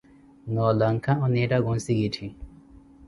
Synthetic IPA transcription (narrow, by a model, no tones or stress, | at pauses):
nɔlɐŋkʰãɔ̃neʈaɡõnsiɡiʈʰĩ